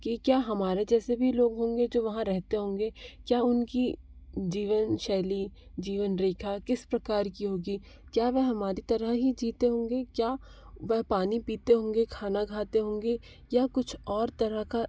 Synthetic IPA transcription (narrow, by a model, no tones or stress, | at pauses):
kikjaːɦɐmaːɾed͡ʒɛːsebʱiloːɡɦõːŋɡed͡ʒoːʋɐɦãɾɛɦt̪eɦõːŋɡeːkjaːʊnki | d͡ʒiːʋənʃɛːlid͡ʒiːʋənɾeːkʰakɪspɾɐkaːɾkiɦoːɡiː | kjaːʋɛɦɐmaːɾit̪ɐɾəɦɦid͡ʒiːt̪eɦõːŋɡekjaː | ʋɛɦpaːnipiːt̪eɦõːŋɡekʰaːnaɡʱaːt̪eɦõːŋɡe | jakʊt͡ʃʰɔːɾt̪ɐɾəɦka